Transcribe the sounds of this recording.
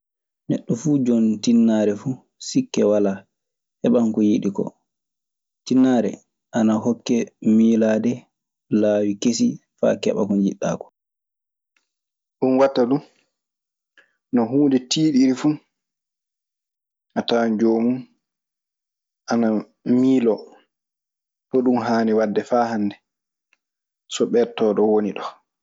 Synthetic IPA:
nɛ̰ɗːɔfud͡ʒɔntinːaːɾɛfu | sikːɛwala | hɛɓaŋkɔjiɗikɔ̰ | tinːaːɾɛ̰ | ʔanahɔkːɛmiːlaːdɛ | laːwikesifa̰ːkɛ̰ɓa̰kɔnd͡ʒiɗːa̰ːkɔ̥ | ɗunwatːaɗu | nɔɦuːndɛtiːɗiɾifu | ʔatand͡ʒoːmun | ʔana | miːlɔ | pɔɗumɦaːnɛwadːɛfahanːdɛ | sɔɓɛɾtɔːɗɔwoniɗɔ

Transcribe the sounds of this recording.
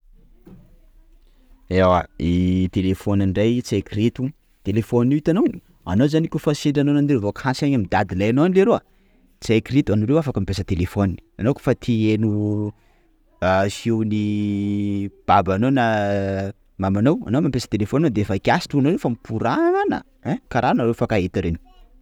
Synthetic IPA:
ewait̪elefonanɖ͡ʐajt͡sekɾit̪u | t̪elefoniit̪anow | a̰nozanikufasiɳɖ͡ʐanonand̪eɾovokhãsaɲamid̪ad̪ilajanowanleɾowa | t͡sekɾit̪uanuɾewafakəmipesət̪elefoni̥anoku̥fat̪ʰienu | asiwni | b̥abanona | mamanowa̰nowmampesə̥t̪elefonad̪efakiasi̥ʈ͡ʂuanoɾewfamipuɾanə̰ | ɛkaɾanaɾewfakaet̪aɾeni̥

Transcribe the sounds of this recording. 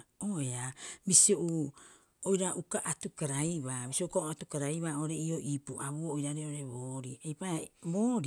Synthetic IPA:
oeabisioʔu | ojɾaʔukaʔatukaɾajβabisioukaoatukaɾajβao̞ɾe̞io̞ʔipuʔaβuoːjɾaɾeoɾe̞βoːɾiejpaboːɾ

